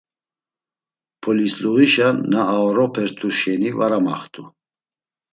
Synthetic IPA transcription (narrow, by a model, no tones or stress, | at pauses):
pʰɔlisluɣiʃanːaːɔɾɔpʰɛɾt̪ʰuʃɛnivaɾama̰χt̪ʰʼu